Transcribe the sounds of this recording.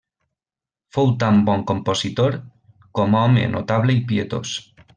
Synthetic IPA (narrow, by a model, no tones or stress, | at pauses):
fowt̪ambɔŋkomposit̪oɾ | kɔmɔmḛnʔo̰t̪aβleipiet̪o̰s